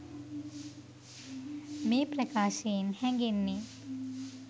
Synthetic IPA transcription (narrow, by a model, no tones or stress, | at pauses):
meːpɾɐkaːʃeinhɛŋɡenːi